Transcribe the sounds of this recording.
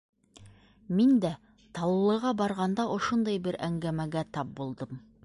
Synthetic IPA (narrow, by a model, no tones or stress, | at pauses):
mind̪æ | t̪ɑlˠlˠːɤ̆ʁɑbɑɾʁɑnd̪ɑʔŏʃond̪ɑjbɘɾæŋɡæmæɡæt̪ɑp̚bulˠd̪ɤm